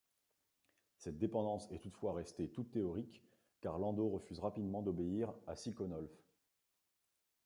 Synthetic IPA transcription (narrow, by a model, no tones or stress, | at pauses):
sɛt̪̚d̪epɑ̃d̪ɑ̃sɛt̪ut̪fwaʁɛst̪et̪ut̪ːeɔʁikː | aʁlɑ̃d̪oʁəfyzʁapid̪mɑ̃d̪ɔbeiʁa̰sikɔnɔlf